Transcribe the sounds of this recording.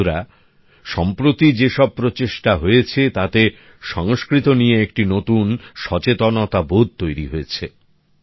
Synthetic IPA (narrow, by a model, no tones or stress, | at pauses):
ɾa | ʃɔmpɾot̪id͡ʑeʃɔb̚pɾot͡ɕeʃʈaɦojet͡ɕʰet̪at̪e | ʃɔŋoskɾit̪onijeek̚ʈinot̪unʃɔt͡ɕet̪onot̪abod̪̚t̪ojɾiɦoet͡ɕʰe